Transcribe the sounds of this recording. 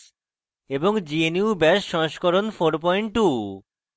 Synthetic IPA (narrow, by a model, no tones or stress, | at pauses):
eboŋd͡ʑieniubɛʃʃɔŋʃkɔɾonfoɾp̬ɔjɳʈːu